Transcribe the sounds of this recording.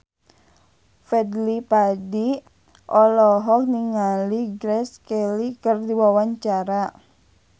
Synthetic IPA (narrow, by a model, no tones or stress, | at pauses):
fɛd̪lipadi | ʔɔlɔɦɔk̚niŋaliɡɾɛskelikərdiwawaɲt͡ʃaɾa